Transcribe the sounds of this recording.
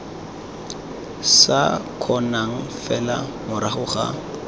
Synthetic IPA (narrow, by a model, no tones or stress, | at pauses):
sakʰɔnaŋ̩fɛla̰mʊɾaχʊχa̰